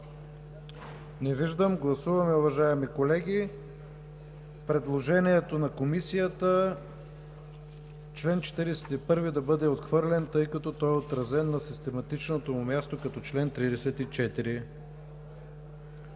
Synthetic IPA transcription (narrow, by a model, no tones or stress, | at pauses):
nɛviʒd̪əmɡlˠɐsuvɐmɛʊvɐʒaɛmikolɛɡʲi | pɾɛd̪lˠoʒɛniɛt̪onɐkomisijət̪ə | t͡ʃlɛnt͡ʃɛ̥t̪iɾɛsɛ̥t̪ipɤɾvid̪ɐbɤd̪ɛot̪xvɤɾlɛnt̪ɤjkɐt̪ɔt̪ɔɛot̪ɾɐzɛnːɐsist̪ɛmɐt̪it͡ʃnot̪omumʲjast̪okɐt̪ɔt͡ʃlɛnt̪ɾid̪ɛsɛt̪it͡ʃɛt̪iɾi